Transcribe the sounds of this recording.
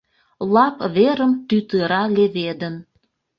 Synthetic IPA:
lɑpβeɾəmt̪yt̪əɾɑleβed̪ən

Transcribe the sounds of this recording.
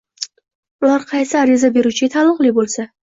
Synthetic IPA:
ʊlˠaɾqʰɑjsɪaɾizabe̞ɾut͡ʃʰɪɡʲat̪ʰalˠɨqlˠɪbolˠsa

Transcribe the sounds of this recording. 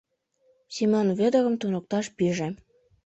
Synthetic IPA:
simonβĕd̪ə̆ɣə̆mt̪unŏk̚t̪ɑʃpiʒĕ

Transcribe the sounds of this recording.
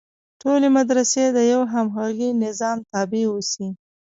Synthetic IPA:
ʈolemad̪ɾased̪əjawɦamxɑɣinɪzɑmt̪ɑbewosi

